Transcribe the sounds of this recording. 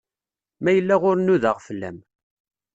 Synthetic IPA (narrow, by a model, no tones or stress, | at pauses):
mæjəlːæʁʊɾnuðəʁfəlːæ̰m